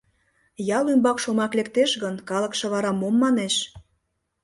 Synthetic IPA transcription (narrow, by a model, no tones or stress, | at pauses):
jɑlymbɑkʃomɑklekt̪eʃɣənkɑlə̆kʃɤ̆βɑɾɑmomːɑneʃ